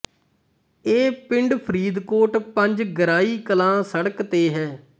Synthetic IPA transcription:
eːpɪ̃ɳɖpʰəɾiːd̪koːʈpəɲd͡ʒɡəɾaːiːkəlãːsəɽkt̪eːɦɛː

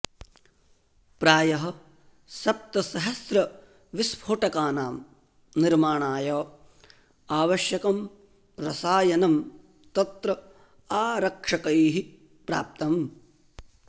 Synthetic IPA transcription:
pɾaːjɐɦɐ̆ | sɐp̚t̪ɐsɐɦɐsɾɐ | ʋispʰoːʈɐkaːnaːm | niɾmaːɳaːjɐː | aːʋɐʃjɐkɐm | ɾɐsaːjɐnɐm | t̪ɐt̪ɾɐ | aːɾɐkʂɐkɐjɦi | pɾa̰ːp̚t̪ɐm

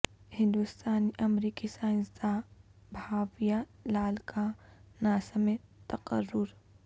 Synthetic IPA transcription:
hɪ̃nd̪ʊst̪aːniʔɐmɾiːkisãːsabʱaːʋijalaːlkʰanaːsɐmẽt̪ɐqəɾːʊɾ

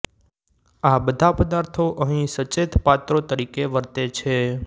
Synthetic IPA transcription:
abəd̪ʱapəd̪aɾt̪ʰoʔəɦĩsət͡ʃet̪ʰpat̪ɾot̪əɾikeʋəɾt̪et͡ʃʰe

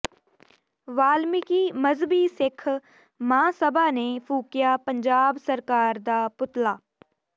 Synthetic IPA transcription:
ʋaːlmɪkiːməzbiːsɪkʰ | mãːsəbaːneːpʰuːkɪjaːpəɲd͡ʒaːbsəɾkaːɾd̪aːpʊt̪laː

